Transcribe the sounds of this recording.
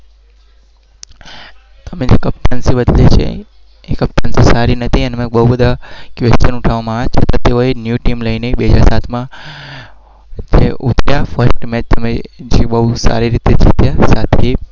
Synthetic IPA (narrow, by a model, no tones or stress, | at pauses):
t̪əmẽd͡ʒekəp̚ʈ̪ansibəd̪lit͡ʃʰḛ | ekəp̚ʈansisaɾinət̪ʰiənemẽɓəɦubəd̪ʱakʋest͡ʃənʊʈʰaʋamãet͡ʃʰət̪at̪eʋoenjuʈimləineiɓeɦəd͡ʒaɾsat̪ʰmã | d͡ʒeʔut̪ʰɾjafəɾsʈmet̪əmẽd͡ʒeɓəɦusa̰ɾiɾit̪ed͡ʒʰit̪jasat̪ʰe